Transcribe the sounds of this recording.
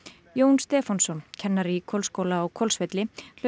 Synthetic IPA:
joːwnst̪ɛːfansɔncʰɛnːaɾikʰɔlskoːwlaːɣkʰɔlsvɛt̪lɪl̥

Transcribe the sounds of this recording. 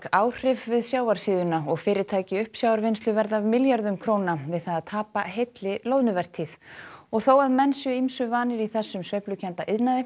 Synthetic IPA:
kaːwr̥ɪvvɪðsjaːwaɾ̥siːðʏnaɔɣfɪːɾɪt̪ʰaːjcɪʏhpsjaːwaɾvɪnst̪lʏvɛɾðavmɪljaɾðʏmkʰɾoːwnavɪðθaðaðt̪ʰaːpaɦejt̪lɪlowðnʏvɛr̥t̪ʰiθɔɣθowaðmɛnsjœimsʏvaːnɪɾiθɛsːʏmsvejplʏcʰɛnt̪aʔɪðnaðɪ

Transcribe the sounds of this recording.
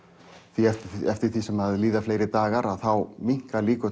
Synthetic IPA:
θiɛɛft̪ɪɾ̥θisɛmaðliːðafleːjɾɪt̪aːɣaɾaðθawmiŋ̥kaliːkʏ

